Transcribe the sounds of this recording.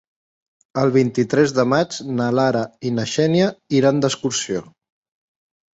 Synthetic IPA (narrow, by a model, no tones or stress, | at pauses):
əlˠβ̞int̪it̪ɾɛzðəmad͡ʒnəlaɾəinəʃɛnjəiɾand̪əskuɾsio